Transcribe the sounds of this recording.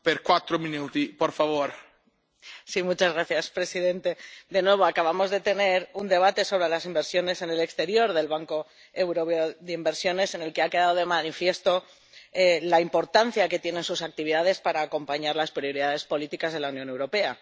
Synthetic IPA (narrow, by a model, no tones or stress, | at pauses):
peɾkwat̪ɾominut̪ipoɾfaβoɾ | simut͡ʃazɣɾaθjaspɾe̞siðe̞nt̪e̞d̪e̞nwe̞βo̞akaβamo̞zðe̞t̪e̞ne̞ɾund̪e̞β̞at̪e̞so̞β̞ɾe̞lasimbe̞ɾsjo̞ne̞se̞ne̞le̞kst̪e̞ɾjo̞ɾðe̞lβaŋko̞ | ewɾo̞peoðimbe̞ɾsjo̞ne̞se̞ne̞lke̞ake̞ðaðoðe̞manifje̞st̪o̞ | elaimpo̞ɾt̪an̟θjake̞t̪je̞ne̞nsusak̚t̪iβiðaðe̞spaɾaːko̞mpaɲaɾlaspɾio̞ɾiðaðe̞spo̞lit̪ikazðe̞launjõne̞wɾo̞pe̞a